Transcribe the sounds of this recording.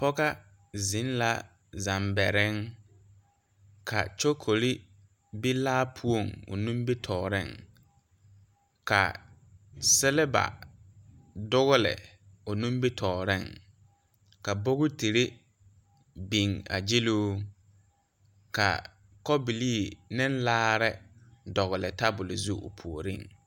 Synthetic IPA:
pɔ˦ɡa˦ | zɪ˨˦n˦la˦ | za˨mbɛ˨ɾɪ˦ŋ | kʰa˨t͡ʃo˦kʰo˨li˦ | bi˦laː˦pʰu˦o˨ŋo̰˨nũ˦mbe˦tʰɔː˨ɾɪ̰˦˨ŋ | ka̰˨ | sɛ˦lɛ˦ba̰˨ | dʊ˦ɣʊ˦lɪ̰˨ | ʊ˨nũ˦mbi˦tʰɔː˨ɾɪ˦˨ŋ | ka˨bo˦ɣʊ˦ti˨ɾe˦ | bi˨ŋa̰˨d͡ʒɪ˦luː˦ | ka̰˨ | kɔ˦bi˨liː˦˨nɪ̃˦nlaː˦ɾɪ˦dɔ˨ɣʊ˨lɪ˨ta˦bʊ˨lɪ˨zu˦ʔo̰˨pʰu˨o˨ɾi˦˨ŋ

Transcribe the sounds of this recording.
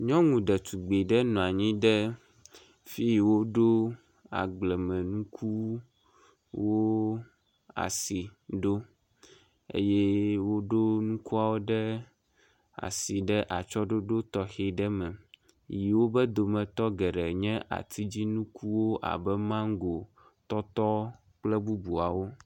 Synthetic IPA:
ɲɔ̃˦ŋũ˨ɖə˨t̪u˨ɡ͡be˨ɖə˦nɔ̃˨a˨ɲĩ˦ɖə˦ | fi˦jwo˦ɖo˦ | a̰˨ɡ͡blɛ˨mɛ̃˨nũ˦kʰu˦ | wo˦ | a̰˨si˨ɖo˦ | ḛ˦jɛ˦wo˦ɖo˦nũ˦ku˦a˨wo˦ɖɛ˦ | a̰˨si˨ɖɛ˦ʔa˨t͡ʃɔ˦ɖo˦ɖo˦t̪ɔ˦xɛ˨ɖɛ˦mɛ̃˨ | ji˨wo˦bɛ˦d̪o˨mɛ̃˨t̪ɔ˦ɡɛ˨ɖɛ˨ɲɛ̃˦ʔa̰˨t̪ʰi˦d͡ʑi˦nũ˦kʰu˦wo˦ʔa̰˨bɛ˦mã˦ŋ̩˦ɡo˨ | t̪ɔ˦t̪ɔ˦ | k͡plɛ˦bu˦bu˨a˨wo˦

